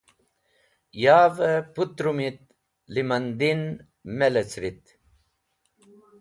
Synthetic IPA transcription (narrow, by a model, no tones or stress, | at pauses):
jaːvəput̪ɾumit̪̚ | limɐnd̪in | melet͡sɾit̪